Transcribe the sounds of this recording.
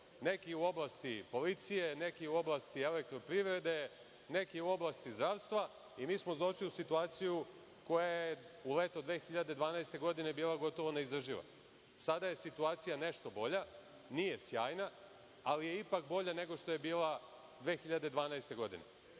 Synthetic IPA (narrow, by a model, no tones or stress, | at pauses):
ne̞kiuo̞blˠast̪ipo̞lit̪sije̞ne̞kiuo̞blˠast̪ielek̚t̪ɾo̞pɾiːʋɾe̞d̪e̞ | ne̞kiuo̞blˠast̪izd̪ɾaːʋst̪ʋa | imiːsmozd̪ˠo̞ʃliusit̪uaːt̪siju | ko̞jaje | ule̞ːt̪od̪ʋe̞ːxiʎad̪e̞d̪ʋaːnaest̪e̞ɡo̞d̪ine̞biːlˠaɡo̞t̪oʋoneizɾr̩ʒiʋa̰ | sad̪aje̞sit̪uaːt̪sijane̞ʃt̪o̞bo̞ʎa | nije̞sjaːjna | alije̞ipak̚bo̞ʎane̞ɡo̞ʃt̪o̞jebiːlˠa | d̪ʋe̞ːxiʎad̪e̞d̪ʋaːnaest̪e̞ɡo̞d̪ḭne̞̰